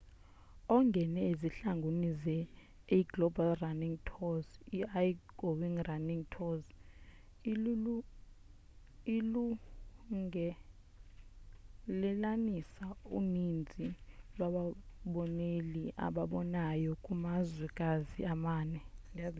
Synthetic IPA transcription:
ɔŋɡʱɛnɛeziɬaŋɡʱonizɛ | iɡlɔbalraniŋtʰɔziajɡ̥ʱowiŋraniŋtʰɔz | lu | ŋɛ | lɛlanisaunind͡zʱilwaɓaɓɔneliʔa̰ɓaɓɔnajɔkʼumazwɛkʼaziamaːnɛŋ

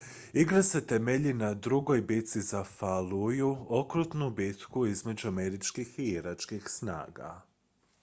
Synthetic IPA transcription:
iɡɾase̞t̪emeʎinad̪ɾuɡo̞jbit̪sizafalujuo̞kɾut̪nubit̪kuizme̞d͡ʑuame̞ɾit͡ʃkixiiɾat͡ʃkixsna̰ːɡa̰

